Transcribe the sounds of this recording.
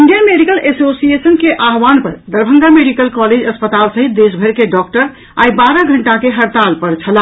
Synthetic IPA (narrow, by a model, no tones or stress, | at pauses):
iɳɖijənmeɖikəlesosiesənkeʔaɦwanpəɾd̪əɾbʱə̃ŋɡameɖikəlkɔled͡ʒəspət̪alsəɦit̪̚d̪esbʱəɾkeɖɔkʈəɾ | ajbaɾəɡʱəɳʈakeɦəɾt̪alpəɾt͡ʃʰəla